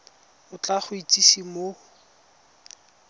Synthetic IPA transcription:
ʊt͡ɬʼaχʊit͡sʼisimo

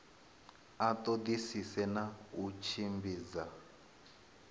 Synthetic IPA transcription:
atod̪isisɛnaut͡ʃʰimbiːd͡za

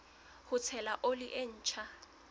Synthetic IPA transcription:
hʊt͡sʰɛlaʔolɪʔen̩ːt͡ʃʰa

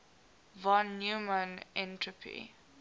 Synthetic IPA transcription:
vɔ̃njumə̃nɛ̃ntɹəpʰḭ

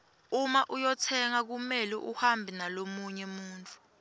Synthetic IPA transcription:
umaʔujɔtʰɛŋak̬umɛlɛʔuhambʱinalomuɲɛmuːntʼu̥

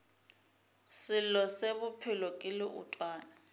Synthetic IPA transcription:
sɪlɔsebupʰɪlɔkʼɪlɪʔṵtʼwaːna

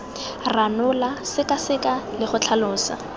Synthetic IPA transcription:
ranʊlasɪkʼasɪkʼalɪχʊt͡ɬʰalʊːsa̰

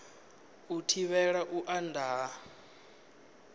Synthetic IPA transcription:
utʰiβɛɺaʔuʔandʱaː

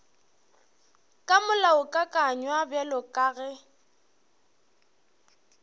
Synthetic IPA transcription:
kʼamʊlaʊkʼakʼaɲwabjalɔkʼaːɣɛ

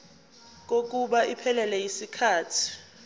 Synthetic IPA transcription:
k̬ok̬ʼuɓaipʰɛlɛlɛjisikʰaːtʰi̥

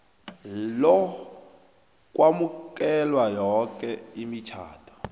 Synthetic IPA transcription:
lɔ | k̬ʼwamuk̬ʼɛlwajɔkʼɛimit͡ʃʰa̰ːtʰɔ̥

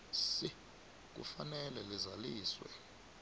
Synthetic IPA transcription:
si | k̬ṵfanɛlɛlizaliːswɛ̰

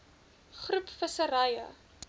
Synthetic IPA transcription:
χrupfəsəɾɐjə̰

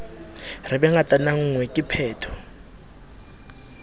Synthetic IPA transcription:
rɪbɛŋatʼanaŋ̩ŋwɛkʼɪpʰɛːtʰɔ̥

